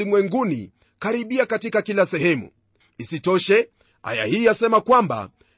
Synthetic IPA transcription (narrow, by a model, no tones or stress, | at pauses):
imwɛŋɡunḭ | kaɾiɓiakatikakilasɛɦɛmṵ | isitɔʃɛ | a̰ja̰hiasɛmakwamba̰